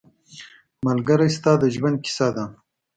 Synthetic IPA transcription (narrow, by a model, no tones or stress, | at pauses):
malɡaɾajst̪ɑːd̪əʒwand̪̚kɪ̥sad̪a